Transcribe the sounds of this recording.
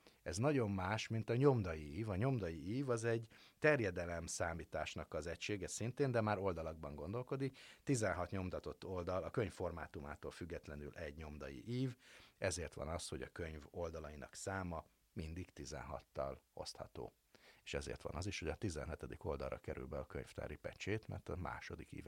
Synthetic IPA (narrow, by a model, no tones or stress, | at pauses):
ɛznɒɟo̞mːaːʃmint̪ɒɲo̞md̪ɒjiiːvɒɲo̞md̪ɒjiiːvɒzɛɟt̪ɛrjɛd̪ɛlɛmsaːmiːt̪aːʃnɒkɒzɛcʃeːɡɛsint̪eːnd̪ɛmaːɾo̞ld̪ɒlɒɡ̚bɒŋɡo̞nd̪o̞lko̞d̪ikt̪izɛnɦɒt̪ɲo̞mt̪ɒt̪o̞t̪ːo̞ld̪ɒlɒkøɲfːo̞rma̰ːt̪uma̰ːt̪oːlfyɡːɛt̪lɛnylʔɛɟɲo̞md̪ɒjḭʔiːvɛzeːrt̪ʋɒ̰nɒsho̞ɟɒkøɲvo̞ld̪ɒlɒjinɒ̰ksaːmɒ | mind̪ikt̪izɛ̰nɦɒ̰t̪ːɒlo̞̰st̪hɒt̪o̰ː | eːʃɛzḛːrt̪ʋɒ̰nɒziʃhoɟɒt̪izɛ̰nɦɛt̪ɛd̪iko̞ld̪ɒlrʔɒkɛɾy̰lbɛɒkø̰ɲft̪a̰ːɾipɛt͡ʃeːt̪mɛ̰rt̪ɒma̰ːʃo̞d̪ikḭːv